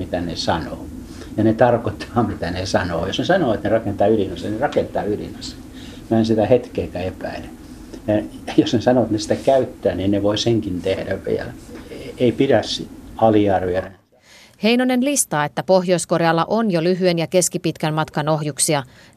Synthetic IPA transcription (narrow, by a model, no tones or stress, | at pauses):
it̪ænesɑno̰ː | jɑnet̪ɑrkot̪ʰːɑːmit̪ænesɑno̰ːjosnesɑnoːet̪nerɑkent̪ɑːylinɑsennerɑkent̪ˑɑ̰ːylḭnɑse̥ | mænsit̪æhet̪keːkæepæile | jɑjosnesɑnoet̪nesi̥t̪ækæyt̪ːæːniːnneʋoiseŋkint̪ehdæʋʋḭḛlæeipiɾæssiɑliɑrʋiɑr | he̞jnone̞nlist̪ɑːe̞t̪ːæpo̞ɦjo̞jsko̞rjɑlːɑ̰ʔonjolyɦyenjɑke̞skipit̪kænmɑt̪kɑno̞ɦjuksiɑ